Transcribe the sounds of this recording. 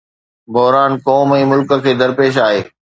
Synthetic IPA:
bʊɦɾaːnkɔːmɛ̃ːmʊlkə̆kʰeːd̪ɐɾpeːʃ̬aːɦeː

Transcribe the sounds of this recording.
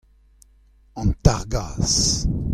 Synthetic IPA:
ɑ̃nt̪aʁɡaːs

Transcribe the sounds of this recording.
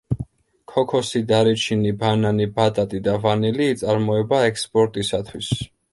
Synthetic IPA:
kʰɔkʰɔsid̪aɾit͡ʃʰinibananibat̪ʼat̪ʼid̪avaniliːt̪sʼaɾmɔɛbaɛkspʼɔɾt̪ʼisat̪ʰwis

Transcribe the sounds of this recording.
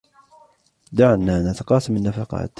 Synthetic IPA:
d̪aʕanːaːnat̪aqɑːsɪmanːafɑqɑ̰ːt̪

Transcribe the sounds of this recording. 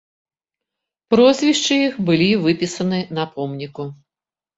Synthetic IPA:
pɾɔzʲvʲiʂt͡ʂɨjixbɨlʲivɨpʲisɐnɨnɐpɔmnʲiku

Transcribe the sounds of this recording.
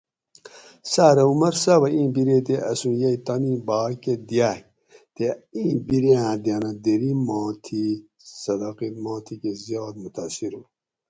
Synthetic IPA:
saːɾɐumɐɾsabɐĩːbiɾet̪̬eʔɐsũjɐjt̪anĩːbaːked̪jaːh | t̪eĩːbiɾeãd̪janɐd̪eɾimɑːt̪ʰi | sɐd̪aqit̪mɑːt̪ʰikezjɑːt̪mut̪asiɾu

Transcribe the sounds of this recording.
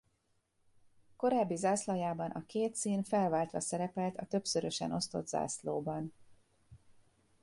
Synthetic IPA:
ko̞ɾaːbːizaːslɒjaːbɒnʔɒkeːt̪siːnfɛlvaːlt̪ʋɒsɛɾɛpɛlt̪ʰɒt̪ø̞psøɾøʃɛ̰no̞st̪o̞d̪z̥a̰ːsloːbɒn

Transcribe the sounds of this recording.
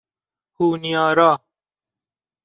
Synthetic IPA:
huːnijaːɾaː

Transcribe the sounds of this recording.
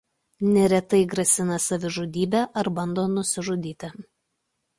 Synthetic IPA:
nʲɛɾʲɛt̪ɐɪɡɾɐsʲɪnɐsɐʋʲɪʒʊd̪ʲiːbʲæːʔɐɾbɐnd̪oːnʊsʲɪʒʊd̪ʲiːt̪ʲɪ

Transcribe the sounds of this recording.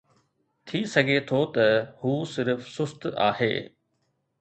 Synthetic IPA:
t̪ʰiːsɐɡʱet̪ʰot̪ɐhuːsɪɾfsʊst̪a̰ːhḛː

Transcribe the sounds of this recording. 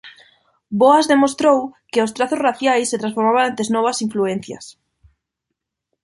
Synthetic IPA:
boazðemost̪ɾowkeʊst̪ɾaθozraθjajsːet̪ɾãnsfoɾmaβanẽnt̪eznɔβasiɱfluen̟θjɐ̰s

